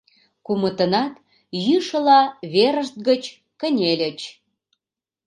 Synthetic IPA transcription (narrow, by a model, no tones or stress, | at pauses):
kumət̪ə̆nɑt̪ | jyʃə̆lɑβeɾəʃt̪̚ɡət͡ɕ | kə̆nʲelʲə̆t͡ɕ